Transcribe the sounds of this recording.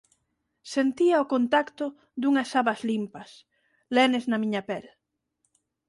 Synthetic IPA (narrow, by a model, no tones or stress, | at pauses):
sent̪iɐʊkont̪akt̪ʊ | d̪uŋɐsaβɐzlimpɐs | lɛneznɐmĩɲɐpɛl